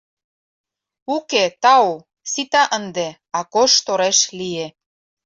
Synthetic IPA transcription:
uket̪ɑo | sit̪ɑʔənd̪e | ɑkoʃt̪oɾeʃlie

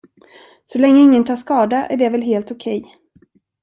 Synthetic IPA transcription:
sɔlɛŋːəɪŋːənt̪ʰɑːʂkɑːd̪aʔæ̰ɖɛvɛlɦeːlt̪ʊkʰɛj

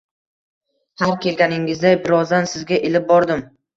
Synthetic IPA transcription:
haɾkʲe̞lɡʲanɪŋɪzd̪ajbɪɾɒzd̪ansɪzɡʲaʔɪlɪp̚bɒɾd̪ɪm

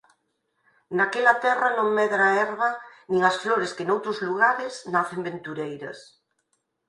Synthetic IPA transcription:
nakelat̪ɛranõŋmeðɾaɛɾβanĩŋasfloɾeskenowt̪ɾozluɣ̞aɾesnaθembent̪uɾejɾɐ̰s

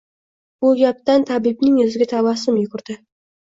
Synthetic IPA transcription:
b̥ʊlˠɡʲap̚t̪ant̪ʰabibnɪŋɵzɪɡʲat̪ʰawɑsɪmjʊɡʲʊɾd̪̥ɪ

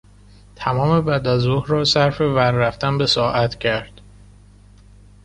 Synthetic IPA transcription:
t̪ʰæmɒːme̞bæd̪æzoːhɾɒːsæɾfe̞væɾːæft̪ænbe̞sɒːʔæt̪ʰcʰæɾd̪̥

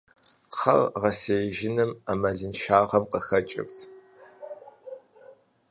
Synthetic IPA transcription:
χɐ̰rʁɐseːʒɪnɨmamɐɮɨnʃaːʁɐmqəxɐt͡ʃʼɪ̰ktʰ

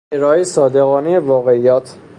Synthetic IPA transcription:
eɾɒːesɒːd̪eɣɒːnejevɒːɣeijɒːt̪ʰ

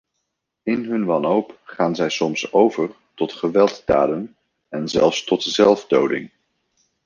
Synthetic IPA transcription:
ɪnɦɵnʋɑnɦowpχaːnzɛjsɔmsowvəɹ | tɔtχəʋɛlˠtda̰ːdən | ɛnzɛ̰lˠfstɔtzɛlˠvdowdɪ̰ŋ

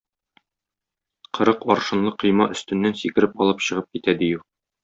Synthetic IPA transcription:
qʰɤ̆ɾɤqɒɾʃɤ̆nlˠɤqɤ̆jmɑʔɵ̆st̪ɵ̆nːænsikɘ̆ɾɘpɒlˠɤpɕɤ̆ʁɤp̚kit̪æd̪iju

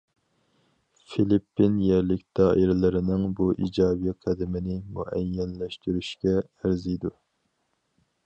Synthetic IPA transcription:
filipːinjɛɾlɪkʲd̪̥ɑːʔiɾɪlɪɾɪnɪŋbuʔḭd͡ʒɑːbiqʰæd̪ɪmɪnɪmṵʔɛjːɛnlɛʃt̪yɾyʃkʲɛː | ɾzijd̪u

